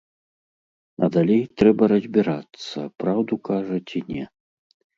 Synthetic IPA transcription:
ɐ̰d̪alʲejt̪ɾɛbɐɾɐzʲbʲiɾat̪sːɐpɾawd̪ukaʐɐt͡sʲinʲɛ̰

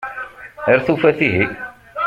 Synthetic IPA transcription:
əɾθufæθiɦi

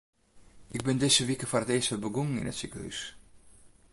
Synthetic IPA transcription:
ʔɪɡ̚bɪndɪsəʋikəfarətɪəstəbəɡuŋŋ̩ɪ̰nətsykəhy̰s

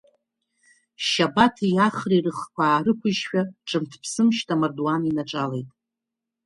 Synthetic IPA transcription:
ʃabatʰijaχrirɨχkʷʰaːrɨkʷʰʊʒʃᶣaʈ͡ʂʼɨmtʰpʰsɨmʃtʰamarduaninaʈ͡ʂʼalejtʼ

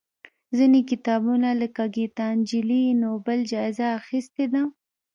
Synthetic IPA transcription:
zinekɪt̪ɑbunaləkaɡit̪ɑnd͡ʒɪlinobəld͡ʒɑɪzaːxist̪ed̪a

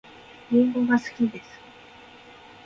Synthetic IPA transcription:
ĩŋɡoɡasɨ̥kʲid̪e̞sɨ̥

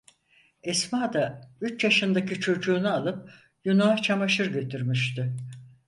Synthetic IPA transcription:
ɛsmaːd̪ayt͡ʃjaʃɯnd̪acit͡ʃʰo̞d͡ʒuːnualˠɯp̚ | junaat͡ʃʰamaʃɯɾɟø̞t̪ʰyɾmiʃt̪ɪ

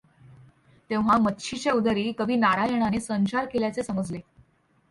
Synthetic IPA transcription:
t̪ẽʋɦamətːɕʰit͡ɕeud̪əɾiːkəbiːnaɾajəɽ̃anesəɲt͡ɕaɾkeljat͡sesəməd͡zle

